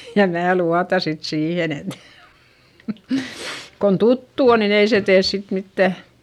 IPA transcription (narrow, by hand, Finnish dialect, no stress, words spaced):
jɑ mæː luɑtɑ sit siːhen et kon tutːu on nin ei se teːs sit mitːæ